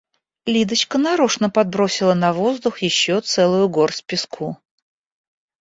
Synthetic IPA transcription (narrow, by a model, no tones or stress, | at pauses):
lʲid̪ət͡ɕkənɐɾoʂnəpɐd̪̚bɾosʲɪlˠənɐvo̞zd̪ʊxjɪɕːot̪sɛlˠʊjʊɡorsʲpʲɪskʰu